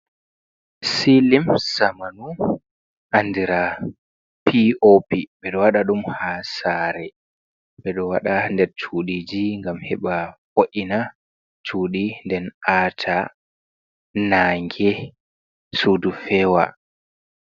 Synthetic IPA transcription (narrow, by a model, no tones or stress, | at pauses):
silimsamanu | ʔandiɾa | pʰiopiɓɛɗɔwaɗaɗumhasaːɾɛ | ɓɛɗɔwaɗandɛɾt͡ʃuɗid͡ʒiŋɡamhɛɓahoʔina | t͡ʃuːɗindɛnaːtʰa | naŋɡɛ | sudufɛːwa̰